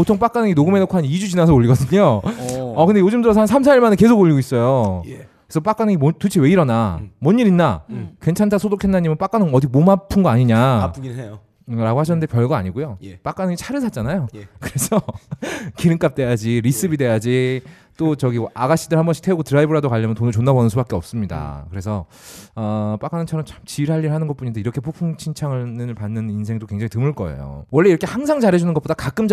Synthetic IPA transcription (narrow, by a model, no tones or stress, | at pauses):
potʰoŋp͈ak͈anɯŋinoɡɯmenokʰaɲid͡ʑud͡ʑinasʰʌoʎːiɡʌdɯɲoʌkɯndejod͡ʑɯmdɯɾʌs̬ʰaɯnsʰamsʰaiɭmaneke̞sʰoɡoʎːiɡois͈ʌjokesʰʌp͈ak͈anɯŋimotut͡ɕʰiweiɾʌnamwʌɲːiɾinːakwe̞nt͡ɕʰantʰasʰodokʰe̞nːaɲimɯnp͈ak͈anɯŋʌdimomapʰɯnɡʌaɲiɲa | o | ɾaɡohaɕʰʌnːnde̞pjʌɭɡaa̰ɲiɡojop͈ak͈anɯŋit͡ɕʰaɾɯsʰat͡ɕ͈anajokɯɾe̞sʰʌ | kiɾɯŋk͈ap̚t͈e̞jad͡ʑiɾis͈ɯbide̞jad͡ʑi | t͈ot͡ɕʌɡiaɡaɕ͈ʰidɯɭhambʌɕʰi̥tʰeuɡotɯɾaibɯɾadokaʎːʌmjʌntonɯt͡ɕonːabʌnɯnsʰubak͈eʌp̚s͈ɯmɲida̰kɯɾe̞sʰʌ | ʌp͈ak͈anɯt͡ɕʰʌɾʌmt͡ɕʰamt͡ɕiiɾɦaʎːiɾɭhanɯnɡʌt̚p͈uɲindeiɾʌkʰe̞pʰopʰuŋt͡ɕʰint͡ɕʰaŋɯɭnɯnɯɭpanːɯninsʰe̞ŋdokwe̞ŋd͡ʑaŋitɯmɯɭk͈ʌḛjo̰wʌɭːe̞iɾʌkʰe̞haŋsʰaŋd͡ʑaɾɦed͡ʑunɯnɡʌtp͈od̥akak͈ɯmt͡ɕ